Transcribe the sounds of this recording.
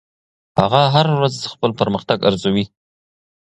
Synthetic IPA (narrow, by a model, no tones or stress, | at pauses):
haɣaɦaɾwazd̪əxpəlpəɾməxt̪aɡa̰ɾzawi